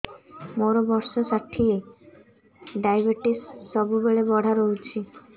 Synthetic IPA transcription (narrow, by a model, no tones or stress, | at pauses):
moɾɔbɔɾsɔsaʈʰie | ɖajbeʈisːɔbubeɭebɔɽ̤ʱaɾoɦut͡ʃʰi